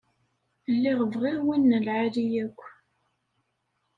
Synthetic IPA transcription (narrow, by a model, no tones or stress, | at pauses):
lːiʁəvʁɪɾwinːəlʕalijækʷː